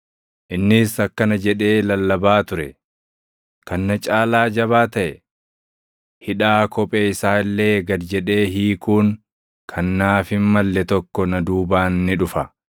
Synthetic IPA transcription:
ʔɪnːɪsɐkːɐnɐd͡ʒɛᶑe̞ːlɐlːɐbaːt̪ʊɾɛ | kɐnːɐt͡ʃʼaːlaːd͡ʒɐβaːt̪ɐʔɛ | hɪᶑaːkʰɔpʼeːɪsaːɪlːe̞ːɡɐd̪d͡ʒɛᶑe̞ːɦiːkuːŋ | kʰɐnːaːfɪnmɐlːɛt̪ɔkːɔnɐd̪uːbaːnːɪᶑʊfɐ

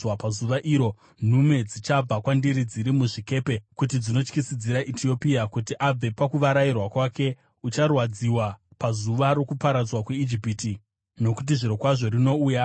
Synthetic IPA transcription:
wapazuʋaʔiːɾo̞ | n̤ume̞d͡zit͡ʃab͡vakwandiɾid͡ziɾimuʐike̞ːpe̞kut̬id͡zino̞t͡ʃkisid͡ziɾaʔitio̞piakut̬iʔab͡ve̞pakuʋaɾairwakwake̞ | ut͡ʃarwad͡ziwapazuʋaɾo̞kupaɾad͡zwakweid͡ʒipiti | no̞kut̬iʐiɾo̞kwaʐo̞ɾino̞uːja

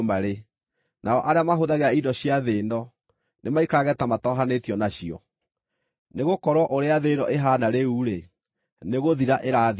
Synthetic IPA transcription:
maɾe | nʔaɔʔaɾeamaɦoðaɣeaidɔɕiaðeːnɔ | nʔemaikaɣɛtamatɔɦanetiɔnaɕiɔ̰ | neɣokɔɾwɔʔoɾeaðeːnɔʔeɦaːnaɾeuɾe | neɣoðiɾaʔeɾað

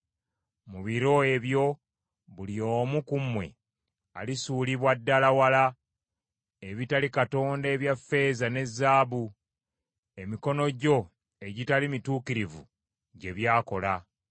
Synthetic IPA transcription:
muβiɾo̞eβjo̞ | βulio̞ːmukumwe̞̰ | alisuːliβwadːalawala | eβitalikato̞ːndeːβjafe̞ːzane̞zːaːβu | e̞miko̞no̞ɟo̞ | e̞ɟitalimituːkiɾivṵ | ɟe̞βjaːko̞la

